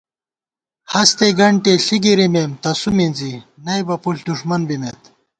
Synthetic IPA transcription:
hɐst̪eɡɐɳʈeɬiɡiɾimemt̪ɐsuminzinɐjbɐpuɬd̪uʂmɐnbimet̪

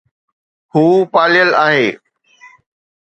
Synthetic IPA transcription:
huːpaːlɪjəlaːɦeː

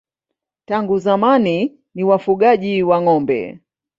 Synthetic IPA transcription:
taŋɡuzamani | niwafuɠaʄiwaŋɔmbɛ̰

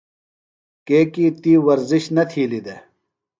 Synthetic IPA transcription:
keːkit̪iːwɐɾziɕnɐt̪ʰiːlid̪e

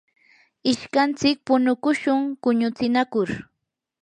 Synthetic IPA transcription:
ɪʃkant͡sɪk̚pʊnʊkʊʃʊŋkʊɲʊt͡sɪnakʊɾ

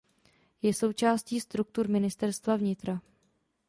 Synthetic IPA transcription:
jɛso̞wt͡ʃaːsciːst̪ɾuk̚t̪uɾmɪnɪst̪ɛɾst̪vavɲɪt̪ɾa

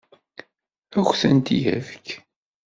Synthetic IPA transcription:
æxʷθənt̪ijæ̰vk

